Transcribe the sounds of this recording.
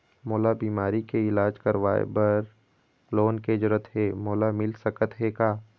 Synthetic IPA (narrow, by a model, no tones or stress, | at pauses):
moːlabiːmaːɾikeɪlaːd͡ʒkəɾʋaːḛbɐɾ | loːnked͡ʒʊɾət̪ɦeːmoːlamɪlsəkət̪ɦekaː